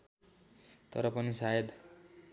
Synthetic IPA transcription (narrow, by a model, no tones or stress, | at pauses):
t̪ʌ̰ɾʌpʌnisajed̪